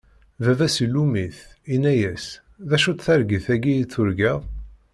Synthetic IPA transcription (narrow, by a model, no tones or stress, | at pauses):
vævæsilːumiθinæjæs | ðæʃut̪θæɾɡiθæɡijit͡sːʊɾɡæðˤ